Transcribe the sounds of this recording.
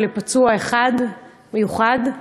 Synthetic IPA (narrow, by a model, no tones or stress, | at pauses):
lepat͡suaeχad | mejuχad